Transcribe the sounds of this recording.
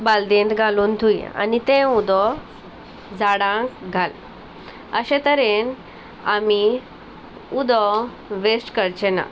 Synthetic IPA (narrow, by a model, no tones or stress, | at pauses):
bald̪ẽnd̪ɡʱaluːnt̪ʰuia̰nit̪ẽud̪ɔ | d͡zaɽãkɡʱal | əɕẽt̪əɾen | ami | ud̪ɔ | ʋesʈkəɾt͡ɕɛna̰